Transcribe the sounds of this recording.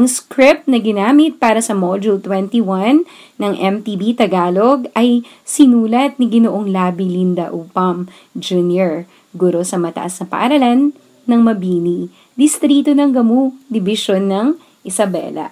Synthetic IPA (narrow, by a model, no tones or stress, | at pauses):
ɐŋskɾɪp̪̚nɐɡɪnaːmɪt̪̚paːɾɐsɐmod͡ʒult̪wɛnt̪iwanː | ɐŋʔɛmt̪ibit̪ɐɡaːloɡʔɐj | sɪnuːlɐt̪̚niɡɪnoʔoŋlaːbilind̪ɐʔuːpɐm | d͡ʒunjɛɹ | ɡuːɾo̞sɐmɐt̪ɐ̰ʔɐsnɐpɐ̰ʔɐɾɐlanː | ɐŋmɐbiːni | d̪ɪst̪ɾiːt̪onɐŋɡɐmud̪ɪbɪʃonːɐŋ | ʔɪsɐbɛ̰lɐ̰